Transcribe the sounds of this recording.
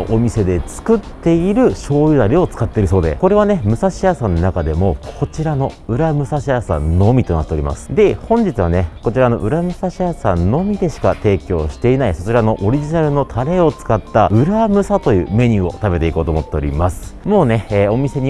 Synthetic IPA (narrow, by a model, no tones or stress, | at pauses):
ʔomʲise̞d̪e̞t͡sɨ̥kɯ̟t̪ːe̞iɾɯ̟ɕo̞ːjɯ̟d̪aɾʲio̞t͡sɨ̥kat̪ːe̞iɾɯ̟so̞ːd̪e̞̰ko̞ɾe̞β̞ane̞mɯ̟saɕiasãnːnakad̪e̞mo̞kʰo̞t͡ɕiɾano̞ɯ̟ɾamɯ̟saɕiasã̰nːo̞mʲit̪o̞nat̪ːe̞o̞ɾʲḭmʔa̰sɨ̥d̪e̞hõ̞ɲ̟d͡ʑit͡sɨβane̞ko̞t͡ɕiɾano̞̰ʔɯ̟ɾamɯ̟saɕiasãnːo̞mʲid̪e̞ɕi̥kat̪e̞ːkʲo̞ːɕi̥t̪e̞inaiso̞t͡ɕiɾano̞ʔoɾʲiʑinaɾɯ̟no̞t̪ʰaɾe̞o̞t͡sɨ̥kat̪ːaɯ̟ɾamɯ̟sat̪o̞jɯ̟̰ːme̞ɲ̟ɨo̞̰t̪abe̞t̪e̞iko̞ːt̪omot̪ːeo̞ɾʲḭmasɨ̥mo̞ːne̞ːo̞mʲise̞ɲ̟i